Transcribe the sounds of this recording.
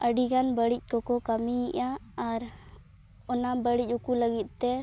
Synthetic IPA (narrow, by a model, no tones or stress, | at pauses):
əɖiɡanbəɽic̚ˀkɔkɔkəmiiʔaːɾ | ɔnabəɽic̚ukuləɡit̪̚ˀt̪ɛ